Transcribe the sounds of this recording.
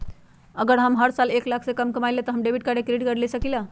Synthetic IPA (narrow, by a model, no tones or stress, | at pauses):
əɡəɾɦəmɦəɾsaleklakʰsekəmkəmaɪlet̪ɔɦəmɖebʱiʈ̚kaɾekɾiɖkəɾlesəkila